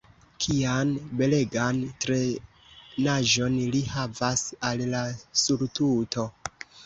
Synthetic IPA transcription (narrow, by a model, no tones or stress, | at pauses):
kʰianbe̞le̞ɡantɾe̞ | naʒo̞nlihavasallasuɾtuto̞